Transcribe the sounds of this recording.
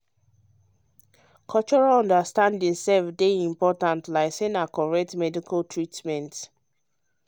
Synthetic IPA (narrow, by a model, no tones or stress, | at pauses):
kʰɔlt͡ʃɔɹalɔ̃ndəstãndĩŋsɛlfdeĩmpɔtãntlaɪsɛ̃nakɔɹɛk̚tmɛdikʰaltʰɹitmɛ̃nt